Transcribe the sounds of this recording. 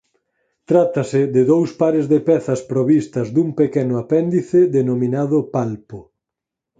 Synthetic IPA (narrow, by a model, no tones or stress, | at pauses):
t̪ɾat̪ɐsɪðɪðowspaɾezðepɛθɐspɾoβist̪ɐzd̪umpekɛnʊapɛnd̪iθɪðenomĩnaðʊpalpʊ